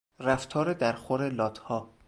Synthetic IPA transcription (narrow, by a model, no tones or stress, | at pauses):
ræft̪ʰɒːɾed̪æɾxoɾe̞lɒːt̪ʰhɒː